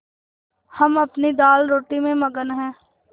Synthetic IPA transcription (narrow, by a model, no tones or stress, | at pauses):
həməpnid̪aːlɾoːʈimẽməɡənɦɛ̃ː